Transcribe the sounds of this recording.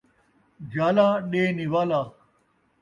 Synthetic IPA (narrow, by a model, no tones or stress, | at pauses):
d͡ʑaːlaːɗeːniwaːlaː